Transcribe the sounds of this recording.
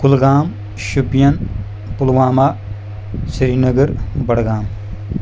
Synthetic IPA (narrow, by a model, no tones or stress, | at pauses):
kʊlɡaːm | ʃupijɐn | pulwaːmaː | siɾiːnɐɡəɾbɐɽɡaːm